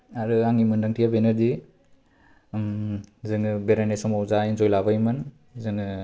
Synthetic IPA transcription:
aɾɯaŋimɯndaŋtʰijabenɐɾdi | mzɯŋɯbeɾanesɔmawzainzojlabajmɯn | zɯŋɯ

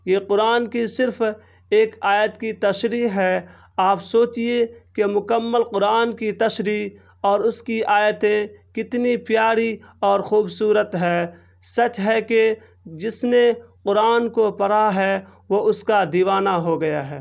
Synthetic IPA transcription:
jeːqʊɾaːnkisɪɾf | eːkaːjət̪kit̪ɐʃɾiːɦɛː | aːpsoːt͡ʃiekemʊkəmːəlqʊɾaːnkit̪ɐʃɾiː | ɔːɾʊskiʔaːjət̪ẽkɪt̪nipjaːɽi | ɔːɾxuːbsuːɾət̪ɦɛː | sɐt͡ʃɦɛke | d͡ʒɪsneqʊɾaːnkopɐɽaɦɛ | ʋoʊskad̪iːʋaːnaɦoɡɐjaɦɛː

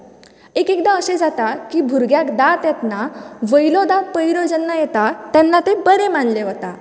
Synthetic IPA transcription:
ekekd̪aəsed͡zat̪akibʱuɾɡjakd̪at̪jɛt̪naʋəjlɔd̪apəjɾɔd͡zənːajɛt̪at̪ɛnːat̪ebəɾemanleɦot̪a

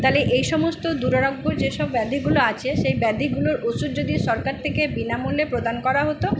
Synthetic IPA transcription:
t̪aleʔejʃɔmost̪od̪uɾaɾoɡːod͡ʑeʃɔbːɛd̪iɡuloat͡ɕʰeʃejbɛd̪iɡuloɾʔosud̪̚d͡ʑod̪iʃɔɾkaɾt̪ʰekebinamulepɾod̪ankɔɾaɦot̪o

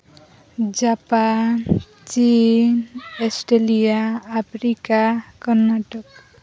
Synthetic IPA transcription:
d͡ʒapan | t͡ʃinesʈelijaːpʰɾikakɔɾnːaʈɔk

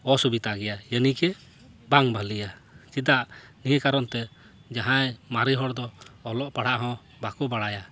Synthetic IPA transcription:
ɔsubit̪aɡɛjajənikɛ | baŋbʱalijat͡ʃid̪aʔniɦɛ̃kaɾɔnt̪ɛ | d͡ʒaɦãjmaɾiɦɔɽd̪ɔːlɔʔpaɽ̤aʔɦɔ̃ | bakubaɽaja

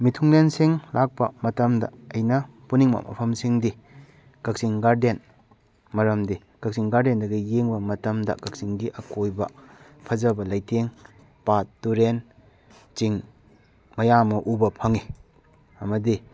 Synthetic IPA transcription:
mitʰuŋlensiŋlak̚pɐ̰mɐtɐmdɐ̰ːjnɐ | puniŋmɐ̰mɐ̰pʰɐmsiŋdi | kɐk̚siŋɡaɾden | mɐɾɐmdi | kɐk̚siŋɡaɾdendɐɡɐjeŋbɐmɐtɐmdɐ̰kɐk̚siŋɡiʔɐkojbɐ̰pʰɐd͡ʒɐbɐlɐjteŋ | patːuɾen | t͡ʃiŋ | mɐjamɐʔubɐpʰɐŋi | ɐmɐdi

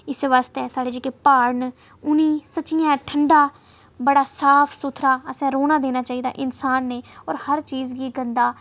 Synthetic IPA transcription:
ɪsʋaːst̪ɛːsaːɽeːd͡ʒekeːpaːɾɳ | ʊniːsət͡ʃɪjãːʈʰəɳɖaː | bəɽaːsaːpʰsʊt̪ʰɾaːəsɛ̃ːɾoːnaːd̪eːnaːt͡ʃaːiːd̪a̰ːʔɪnsaːnːeːɔːɾhəɾt͡ʃiːzɡiːɡənd̪aː

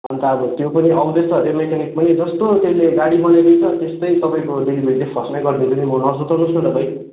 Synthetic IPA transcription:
ʌ̰nt̪aːbʌt̪jopʌniʔʌmbest̪ʌɾemekʰanik̚pʌnid͡zʌst̪ot̪esleɡaɽibʌnaɾʌjt͡sʌt̪est̪ʌjt̪ʌpaĩkod̪idibʱeɾlepʰʌsmeɡʌrnid̪unimʌnʌsut̪ʌnut͡sʰut̪ʌpaj̃

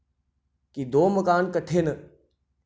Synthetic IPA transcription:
kid̪oːməkaːnkəʈʰeːnə

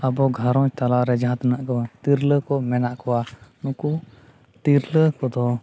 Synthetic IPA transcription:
abɔɡʱaɾɔt̪alaɾɛd͡ʒaɦat̪anaʔkɔt̪iɾləkɔmɛnaʔkɔwanuku | t̪iɾləkɔd̪ɔ

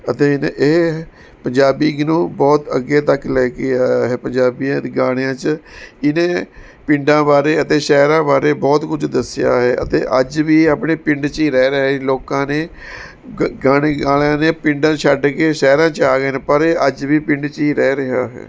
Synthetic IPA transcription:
ət̪eːnḛʔeː | pəɲd͡ʒaːbiːɡnõːbɔːt̪əɡːeːt̪əkːlɛːkɪjaːɦɛːpəɲd͡ʒaːbijãːɡaːɽ̃ejãːt͡ʃɪnẽː | pɪ̃ɳɖãːbaːɾeːət̪eːʃɛːɾãːbaːɾeːbɔːt̪kʊd͡ʒd̪əsɪja̰ːɦɛːə̰t̪ḛ̃ːʔəd͡ʒʋiːaːpɳeːpɪ̃ɳɖt͡ʃiːɾɛːɾɛɦloːkãːneː | ɡaːɽ̃eːɡaːɽjãːneːpɪ̃ɳɖãːt͡ʃʰəɖkeːʃɛːɾãːt͡ʃaːɡeːnːpəɾeəd͡ʒʋiːpɪ̃ɳɖt͡ʃiːɾɛːɾɪɦaːɦɛ̰ː

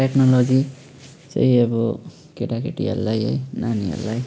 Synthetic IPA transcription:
eknɔlod͡zi | t͡sʌ̰jʌbɔ | keʈakeʈia̰lːajḛjnania̰lːaj

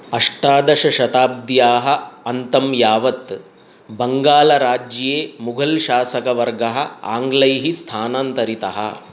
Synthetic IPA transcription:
ɐʂʈaːd̪ɐʃɐʃɐt̪aːb̚d̪jaːɦɐ̆ɐnt̪ɐmjaːʋɐt̪ | bɐŋɡaːlɐɾaːd͡ʒɐjeːmuɡʱɐlʃaːsɐkɐʋɐɾɡɐɦɐaːŋɡlɐjɦist̪ʰaːnaːnt̪ɐɾit̪ɐɦɐ̰

